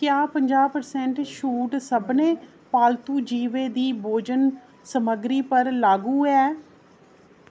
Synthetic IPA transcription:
kjaːpəɲd͡ʒaːbpəɾsɛ̃ɳʈʃuːʈsəbnẽː | paːlt̪uːd͡ʒiːʋeːd̪iːboːd͡ʒən | səməɡɾiːpəɾlaːɡũːɛː

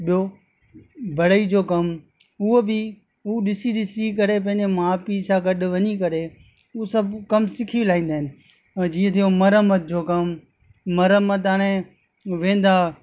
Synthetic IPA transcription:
ɓijo | bʱɐɽəid͡ʑoːkɐm | ʊɦobɪ | uːɗɪsiɗɪsikɐɾep̬ɐ̃ɦɪ̃ɲd͡ʑemaːpisãɡɐɗʋɐɲikɐɾe | usɐbkɐmsɪkʰiʋɪlaːĩːnd̪aːɦɪnɪ̆ | d͡ʑiːə̃t̪ʰeomɐɾəmət̪̚d͡ʑoːkɐmː | ɐɾəmət̪aːɽ̃ẽ | ʋẽːnd̪aː

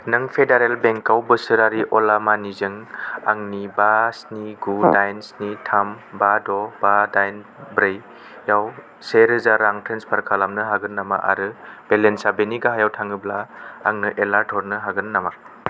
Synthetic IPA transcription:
nɯŋpʰedaɾelbeŋkawbɯsɯɾaɾiʔɔlamanizɯŋa̰ŋnibasniɡudajnsnitʰam | badɔbadajnbɾɯj | jaw | seɾɯzaɾaŋtʰɾenspʰaɾkʰalamnɯɦaɡɯnːama̰ʔa̰ɾɯb̥elensabeniɡaɦajawtʰaŋɯblaa̰ŋnɯʔelaɾtʰɔɾnɯɦaɡɯnːama

